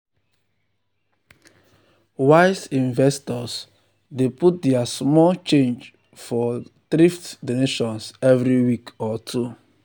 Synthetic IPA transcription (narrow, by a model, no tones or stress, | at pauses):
waɪsĩnvɛstɔs | deput̚dɛasmɔlt͡ʃẽnd͡ʒ | fɔtɾiftdoneʃɔ̃nsɛvɹɾiwikɔtʰu